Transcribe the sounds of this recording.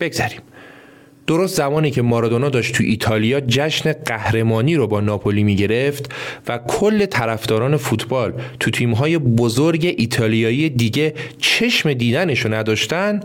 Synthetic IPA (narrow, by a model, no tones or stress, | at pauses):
b̥eɡzæɾiːm | d̪̥o̞ɾost̪zæmɒːniːcʰe̞mɒːɾɒd̪onoːd̪ɒːʃt̪t̪ʰuʔiːt̪ʰɒːlijɒːd͡ʒæʃne̞ɢæhɾe̞mɒːniːɾobɒːnɒːpʰoliːmiːɟe̞ɾe̞ft̪vækʰolːe̞t̪ʰæɾæfd̪ɒːɾɒːne̞fut̪ʰbɒːlt̪ʰut̪ʰiːmɦɒːje̞bozoɾɟe̞ʔiːt̪ʰɒːlijɒːiːjed̪iːɟe̞t͡ʃʰe̞ʃme̞d̪iːd̪æne̞ʃonæd̪ɒːʃt̪ænd̪̥